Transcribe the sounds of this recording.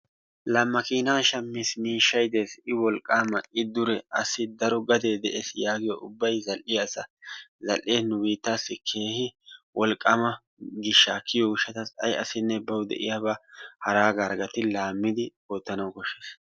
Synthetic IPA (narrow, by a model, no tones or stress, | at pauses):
lɐmːɐkiːnaːʃɐmːismiːʃːɐjd̪e̞ːsɪwɔlkʼːaːmɐɪd̪ʊɾɛɐsɪd̪ɐɾɔɡɐd̪e̞ːd̪ɛʔeːsjaːɡɪjɔʊbːɐjzɐlʔɪjɐsɐzɐlʔeːnʊwiːt̪ːaːsːɪkʰe̞ːhɪwɔlkʼːɐmɐ | ɡɪʃːaːkʰɪjɔɡʊʃːɐt̪ɐsɐ̰jɐsɪnːɛbɐwʊd̪ɛ̰ʔɪ̰jaːbahɐɾaːɡaɾɡɐt̪ɪlaːmːɪd̪ɪ | oːt̪ːɐnɐwkɔʃːeːs